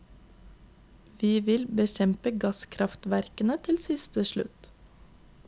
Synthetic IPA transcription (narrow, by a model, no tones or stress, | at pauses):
ʋiːʋɪlbəçɛmpəɡɑskʰɾɑft̪ʋæɾkənət̪ʰɪlsɪst̪əʃlʉ̰t̪